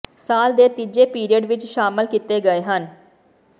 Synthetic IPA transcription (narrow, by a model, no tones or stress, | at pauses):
saːld̪eːt̪id͡ʒeːpiːɾiəɖʋɪt͡ʃʃaːməlkit̪eːɡəeːɦən